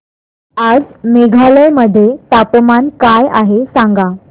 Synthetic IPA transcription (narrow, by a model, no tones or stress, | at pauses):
ad͡zmeɡʱaləjməd̪ʱːjet̪apmankajaɦesãŋɡa